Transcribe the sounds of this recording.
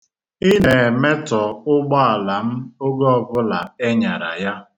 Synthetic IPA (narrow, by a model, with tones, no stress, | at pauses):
i˦ne˨me˦tɔ˨ʊ˦ɡ͡bɔ˦a˨la˨m̩˦ʊ˦ɡɔ˦ɔ˨bʊ˦la˨e˦ɲa˨ɾa̰˨ja˦